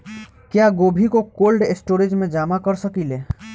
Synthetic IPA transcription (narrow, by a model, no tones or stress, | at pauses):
kjaːɡoːbʱikokoːlɖɪsʈoːɾɪd͡ʒmẽd͡ʒaːmakəɾsəkileː